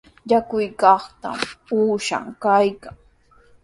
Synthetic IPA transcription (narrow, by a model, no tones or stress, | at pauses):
jakʊjkɑχt̪a̰muːʃa̰ŋkajkaŋ